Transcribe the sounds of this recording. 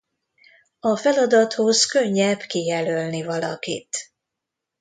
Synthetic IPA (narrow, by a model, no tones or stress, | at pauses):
ɒfɛlɒd̪ɒt̪ho̞zkø̞ɲːɛbkijɛlølnivɒlɒ̰kḭt̪